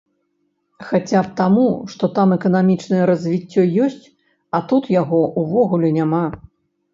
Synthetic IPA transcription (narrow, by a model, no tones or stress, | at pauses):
xat͡sʲap̚t̪amuʂt̪ɔt̪amɛkɐn̪amʲit͡ʂnɐjɛɾɐzʲvʲit͡sʲːɔjɔsʲt͡sʲ | ɐt̪ut̪jaɣɔʔuvɔɣulʲɛnʲama